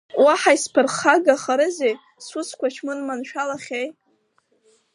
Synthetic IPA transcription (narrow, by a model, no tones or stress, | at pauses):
waħajspʰɨrχaɡaχaɾɨzej | sut͡sʰkʷat͡ʃʰmɨnmanʃᶣalaχʲej